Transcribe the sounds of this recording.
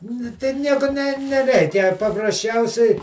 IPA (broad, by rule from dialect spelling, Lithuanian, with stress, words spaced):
nʊ ˈtɐɪ ˈnʲiɛkʊ nʲɛ nʲɛˈrʲɛɪkʲɛ pɐprɐsʲˈt͡ʃʲɛʊsʲɛɪ